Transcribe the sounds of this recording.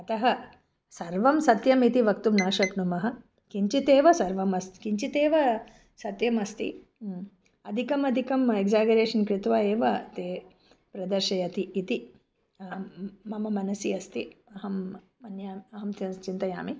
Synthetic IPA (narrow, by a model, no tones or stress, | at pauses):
ɐt̪ɐɦɐ | sɐɾʋɐmsɐt̪jɐmit̪iʋɐkt̪umnaːʃɐknumɐɦɐ̆ | kiɲt͡ʃit̪eːʋɐsɐɾʋɐmɐst̪i̥kiɲt͡ʃit̪eːʋɐ | sɐt̪jɐmɐst̪ḭ | ɐd̪ʱikɐmɐd̪ʱikɐmeɡzaːɡɐɾeːʂɐnkɾɪt̪ʋaːeːʋɐt̪eː | pɾɐd̪ɐɾʃɐjɐt̪iːt̪i | ɐmɐmɐmɐnɐsiɐst̪iɐɦɐmː | ɐnjaːmiɐɦɐmt̪jɐnst͡ʃint̪ɐja̰ːmi